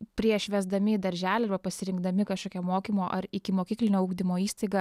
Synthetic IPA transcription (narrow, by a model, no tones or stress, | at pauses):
pʲɾʲiɛʃʲʋʲɛzd̪ɐmʲɪd̪ɐɾʲʒʲæːlʲɛɐrbɐpɐsʲɪɾʲɪŋɡd̪ɐmʲɪkɐʃkoːkʲɛmoːkʲimoːʔɐrɪkʲɪmoːkʲiːklʲɪnʲoːuːɡd̪ʲɪmoːiːst̪ɐɪɡɐ